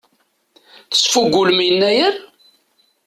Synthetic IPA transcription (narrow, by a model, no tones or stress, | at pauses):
θə̥sfuɡʷːulmijənːæjəɾ